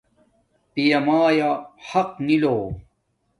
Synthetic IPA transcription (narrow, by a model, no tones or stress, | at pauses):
pijɐmaːjahɐqniloː